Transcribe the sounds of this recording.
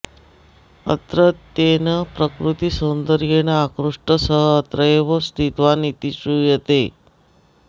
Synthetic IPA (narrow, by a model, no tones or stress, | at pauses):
ə̰t̪ɾət̪ːenəpɾəkɾut̪isənd̪əɾjenəakɾuʂʈəsəɦəːt̪ɾəeʋəst̪ʰit̪ʋanit̪isujət̪e